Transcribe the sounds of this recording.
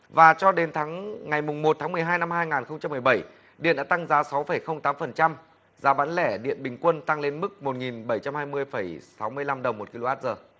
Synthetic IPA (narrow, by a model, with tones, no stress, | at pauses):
vaː˨˩t͡ɕɔ˧ɗe˨˦nt̪ʰaː˨˦ŋŋa˨˩jmʊ˨˩ŋ͡mmo˨˩t̪̚ʰaː˨˦ŋmɨ˨˩əjɦaː˧jna˧mhaː˧jŋaː˨˩nxə˧wŋ͡mt͡ɕa˧mː˨˩əjɓə˧˩j | ɗḭ˧˨ənɗaː˧˦t̪a˧ŋzaː˨˦sa˨˦wfə˧˩jxə˧wŋ͡mt̪aː˨˦mfə˨˩nt͡ɕa˧m | zaː˨˦ɓaː˨˦nlɛ˧˩ɗḭ˧˨ənɓï˨˩ŋ̟kwə˧nt̪a˧ŋle˧nmɨ˦˥k̚mo˨˩t̚ŋi˨˩nɓə˧˩jt͡ɕa˧mhaː˧jmɨ˧əjfə˧˩jsa˨˦wmɨ˧əjla˧mɗə˨˩wŋ͡mmːo˨˩t̚ki˧lo˧ʔaː˦˥t̚zəː˨˩